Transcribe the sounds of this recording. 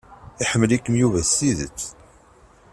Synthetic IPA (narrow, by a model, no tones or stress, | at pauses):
iħəmːəlikːəmjuvæiðət͡sː